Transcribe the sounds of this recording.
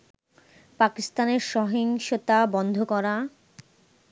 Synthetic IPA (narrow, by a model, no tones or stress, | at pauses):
pakist̪aneɾʃɔɦiŋʃot̪abɔnd̪ʱokɔɾa